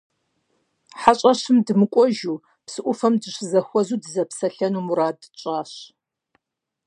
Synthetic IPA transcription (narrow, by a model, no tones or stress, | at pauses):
ħaɕʼɐɕɨmdɨmɨkʷʼɔʒuː | psɨʔʷʊfɐmdɨɕɨzɐxʷɔzuːdɨzɐpsɐɬɐnuːmuɾaːdɨt͡ʃʼaːɕ